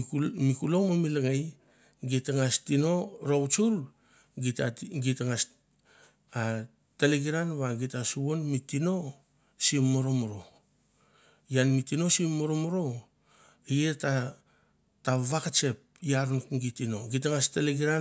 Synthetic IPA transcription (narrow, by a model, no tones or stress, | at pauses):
mikulo̞ŋmomilaŋaj | ɡitaŋastino̞ɾowt͡ʃuɾ | ɡitaɡitaŋas | a | taleɡiɾanβaɡitasuβonmitino̞ | simːoɾo̞moɾo̞ | janmitino̞simːoɾomoɾo̞ | ijeta | taβakat͡ʃe̞p̚jaɾnukɡitino̞ɡitaŋastaleɡiɾa